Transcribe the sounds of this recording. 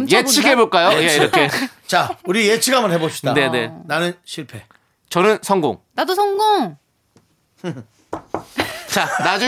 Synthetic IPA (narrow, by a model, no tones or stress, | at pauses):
jet͡ɕʰiɡeboɭk͈ajojeiɾʌkʰe̞ | t͡ɕauɾijet͡ɕʰiɡamʌnhebopʰɕi̥dane̞ne̞nanɯnɕʰiɭpʰe̞ | t͡ɕʌnɯnsʰʌŋɡo̰ŋnadosʰʌŋɡoŋ | t͡ɕanad͡ʑu